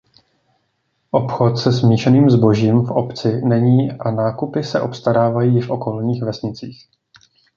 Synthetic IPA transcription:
ʔopxo̞t̪sɛsmiːʃɛniːmzbo̞ʒiːmfʔo̞pt͡sɪnɛɲiːʔanaːkupɪsɛʔo̞pst̪aɾaːvajiːɪʃfʔo̞ko̞lɲiːxvɛsɲɪt͡siːx

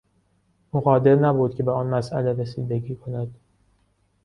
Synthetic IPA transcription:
ʔuːɣɒːd̪e̞ɾnæbuːd̪̥cʰe̞beɒːnmæsʔæleɾesiːd̪eɟiːkʰo̞næd̪̥

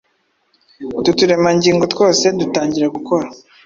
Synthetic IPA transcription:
tutuɾe̞maɲɟiːŋɡo̞two̞ːse̞dutaːɲɟiɾaɡuko̞ɾa

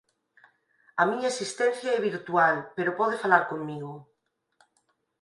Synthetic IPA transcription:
amiɲaesist̪ɛ̃n̟θjaɛβ̞iɾt̪ualpeɾopɔðefalaɾkoŋmiɣo

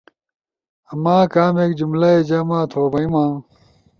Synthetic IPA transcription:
ɐmaːkaːmeːkd͡ʑumlɐed͡ʑɐmãːt̪ʰoːbɐimãː

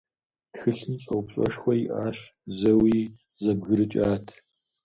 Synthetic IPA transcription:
txɨɬɨnɕʼɐwpɕʷʼɔ̰ʂxʷɔjiʔaːɕzɐwiː | zɐbɣɨɾɨt͡ʃʼaːtʰ

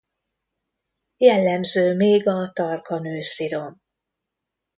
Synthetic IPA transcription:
jɛlːɛmzøːmeːɡɒt̪ɒrkɒnøːsiɾo̞n

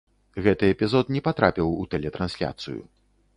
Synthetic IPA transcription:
ɣɛt̪ɨɛpʲizɔt̪nʲɛpat̪ɾapʲiwut̪ɛlʲɛt̪ɾansʲlʲa̰t̪sɨ̰jṵ

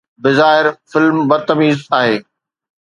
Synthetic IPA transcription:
bɪzaːɦɪɾfɪlmbɐɾt̪ɐmiːzaːɦeː

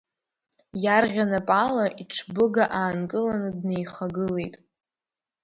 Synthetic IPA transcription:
jarʁʲanapʼalaʔiʈ͡ʂʰbɨɡaʔaːnkʼɨlanɨdne̞jχaɡɨle̞jtʼ

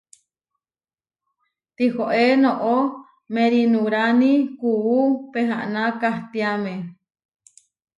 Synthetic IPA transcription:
t̪ihoʔenõʔo | mẽɾinũɾanikuupeɦa̰ʔnãkaht̪iamẽ

